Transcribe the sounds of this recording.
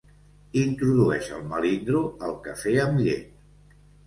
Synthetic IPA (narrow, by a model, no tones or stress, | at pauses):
int̪ɾuðuɛʃə̰lˠməlind̪ɾuəlˠkəfeəmʎet̪